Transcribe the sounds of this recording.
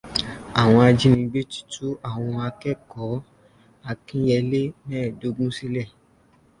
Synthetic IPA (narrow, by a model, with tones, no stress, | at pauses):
a˨w̃ɔ̃˧a˧d͡ʒi˦nĩ˧ɡ͡be˦ti̥˦tu˦a˦˨w̃ɔ̃˧a˧kɛ˦kɔ˨˦ | a˧kĩ˦jɛ˧le˦mɛ̃ː˦˨do˨˧ɡũ˦si˦lɛ˦˨